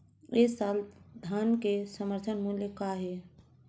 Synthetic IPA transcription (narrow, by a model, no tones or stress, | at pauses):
esald̪ʱankesəməɾt̪ʰənmunlljekaɦe